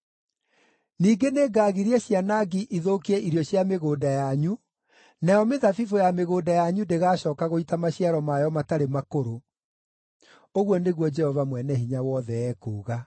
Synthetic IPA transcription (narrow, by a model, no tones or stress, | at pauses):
niːɡeneːɡaːɣiɾiɛɕianaɡiʔiðokiɛiɾjɔɕjameɣoːdajaɲu | najɔmeðafivojameɣoːdajaɲudeɣaːɕɔːkaɣoitamaɕiaɾɔmajɔmataɾemakoɾo | oɣwɔneɣwɔd͡ʒɛhɔvamwɛnɛɦiɲawɔːðɛɛːkuːɣa